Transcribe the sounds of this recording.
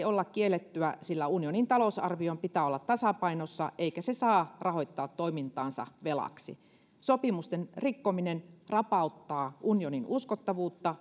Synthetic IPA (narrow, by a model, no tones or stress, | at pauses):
olːɑkkielːˑet̪ːyæsilːæunijonint̪ɑlosɑrʋiompit̪æːolːɑt̪t̪ɑsɑpɑinosːɑʔeikæsesɑːrɑhoit̪ːɑːt̪tːoimint̪ɑːnsɑ̰ʋelɑ̰ksḭ | sopimust̪enrikːominenrɑpɑˑut̪ːɑːʔunjoninuskot̪ːɑʋuːt̪ːɑ